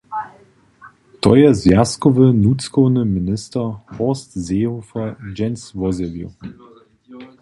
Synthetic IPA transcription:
tʰɔ̰jɛzjaskɔvənut͡skɔwnəminɪstɐhɔstzeːhofɐd͡ʒɛnsvɔzɛljṵ

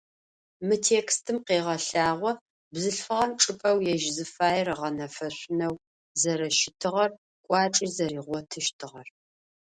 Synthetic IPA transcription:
mɨtʰeːkstʰɨmqeːʁɐɬaːʁʷɔ | bzɨɬfɨʁɐmʈ͡ʂʼɨpʼɐwjɛʒzɨfaːjɛrɐʁɐnɐfɐɕʷʼʊnɐw | zɐɾɐʃɪtʰɨʁɐr | kʷʼɑːʈ͡ʂʼizɐriːʁʷɔtʰɨʃtʰɨʁɐr

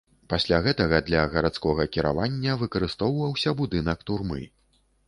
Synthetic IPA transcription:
pasʲlʲaɣɛt̪ɐɣɐd̪lʲɐɣɐɾat̪skɔɣɐkʲiɾʔa̰vanʲːɐvɨkɐɾɨst̪ɔwvɐwsʲɐbud̪ɨnɐkt̪urmɨ̰

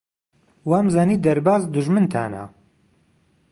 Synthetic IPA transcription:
waːmzaːniːd̪ɐɾbaːzd̪ʊʒmɨnt̪ʰa̰ːna̰

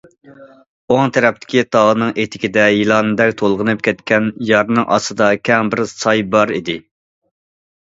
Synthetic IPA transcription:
oŋt̪ʰɛɾɛp̚t̪ʰɪ̥kʲit̪ʰɑʁənɨŋʔet̪ʰɪ̥kʲɪd̪ɛjilˠɑnɨd̪ɛkʲt̪ʰolˠʁənɨp̚kʲʰɛt̪kʲʰɛnjɑɾnɨŋʔɑ̰sɨd̪ɑkʲʰɛŋbɪɾsɑjbɑɾid̪ɪ

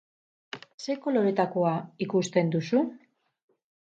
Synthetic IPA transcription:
se̞ko̞lo̞ɾe̞t̪akoaikust̪e̞nd̪usu

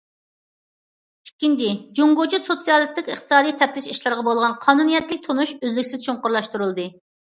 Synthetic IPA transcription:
ikʲːint͡ʃʰɪd͡ʒuŋɡot͡ʃusot̪sijɑlˠɨst̪ɪkʲɨχt̪ʰɨ̥sɑːd̪ijt̪ʰɛp̚t̪ɪʃiʃlˠɨɾʁɑbolˠʁɑnqʰɑːnunijɛt̪lɪk̚ʲt̪ʰonuʃøzlɪkʲsɪz̥ʃʰuɴqʊɾlˠɑʃt̪uɾulˠd̪ɨ

